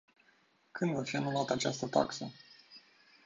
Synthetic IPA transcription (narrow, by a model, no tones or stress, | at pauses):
kɨnd̪vafianulat̪əat͡ʃast̪ət̪a̰ksə